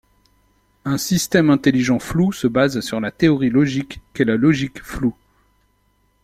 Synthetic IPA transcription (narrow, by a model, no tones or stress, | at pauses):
ɛ̃sist̪ɛmɛ̃t̪eliʒɑ̃flusəbazsyʁlat̪eɔʁilɔʒikːelalɔʒikflu